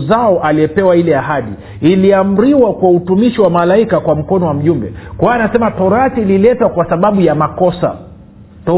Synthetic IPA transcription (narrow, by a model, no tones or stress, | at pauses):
zaɔʔaliɛpɛwailɛaɦaɗḭ | iliam̩ɾiwakwautumiʃiwamalaikakwam̩kɔnɔwam̩ʄumbɛkwanasɛmatɔɾaθililɛtwakwasaɓaɓujamakɔsa̰ | t